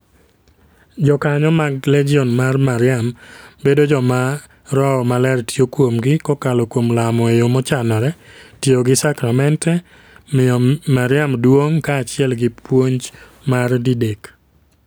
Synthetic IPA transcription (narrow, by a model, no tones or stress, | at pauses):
d͡ʒɔkaɲɔmaɡlɛd͡ʒiɔnmarmaɾɪambedod͡ʒɔma | ɾɔɔmalɛrtjokwomɡɪkɔkalɔkwomlamɔejomɔt͡ʃanɔɾɛtjoɡɪsakɾamɛntɛ | mɪɔmaɾɪamdwoŋkaːt͡ʃɪɛlɡɪpwoɲd͡ʒ | mardidek